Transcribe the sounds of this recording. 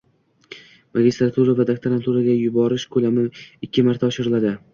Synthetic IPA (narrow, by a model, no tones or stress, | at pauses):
maɡʲɪst̪ɾat̪ʰuɾavad̪akt̪ʰaɾant̪ʰuɾaɡʲajʊbɒɾɪʃkʰɵlamɪɪkʲʰːɪmaɾt̪ʰaɒʃɪɾɪlad̪ɪ